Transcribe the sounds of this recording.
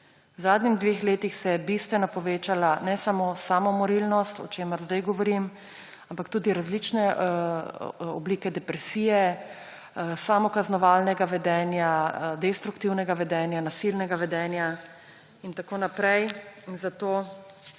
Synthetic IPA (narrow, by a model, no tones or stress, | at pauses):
wzaːd̪nɲimd̪ʋeːxleːt̪ixsɛjɛbist̪ʋɛnapɔʋeːt͡ʃalanɛsamosamɔmɔɾilnɔst̪ɔ̰t͡ʃeːməɾzd̪ajɡɔʋɔɾim | ampakt̪uːd̪iɾazlit͡ʃnɛ | ɔ̰bliːkɛd̪ɛpɾɛsiːjɛ | samɔkaznɔʋaːlnɛɡaʋɛd̪ɛːnjad̪ɛst̪ɾukt̪iwnɛɡaʋɛd̪ɛnjanasilnɛɡaʋɛd̪ɛnja | int̪akoːnapɾɛjinzat̪oː